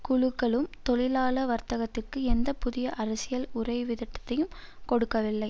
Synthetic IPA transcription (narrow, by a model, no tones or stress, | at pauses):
kʊɻɯkːɐɭɯmt̪ɔɭɪlaːlɐʋɐɾt̪ɐɣɐt̪ːɪrkɯɛnd̪ɐpʊðɪjɐʔɐɾɐsɪjɐlʊrɐɪʋɪðɪʈːɐ̥t̪ːɐjɯm | kɔɽɯkːɐʋɪlːɐɪ